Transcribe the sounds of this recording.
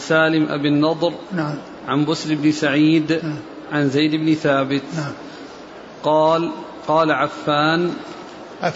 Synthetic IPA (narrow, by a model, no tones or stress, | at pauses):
saːlɪmʔa̰bɪnːɑd̪ˤɾ | ʕanbʊslɪbnɪsaʕiːd̪ | ʕanzajd̪ɪbnɪθaːbɪt̪ | qɑ | qɑːlaʕafːaːn